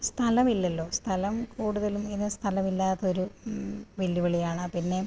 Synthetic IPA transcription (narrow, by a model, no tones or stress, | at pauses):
st̪ʰɐlɐmilːɐlːo̞ːst̪ʰɐlɐmkuːɽuðɐluminːɨst̪ʰɐlɐmilːaːt̪ːɐoɾu | ʋeljiʋɐɭijaːɳɨpinːe̞